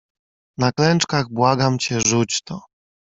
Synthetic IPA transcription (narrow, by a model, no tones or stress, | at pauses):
naklɛnt͡ʂkaɣbwaɡamt͡ɕɛʐut͡ɕt̪ɔ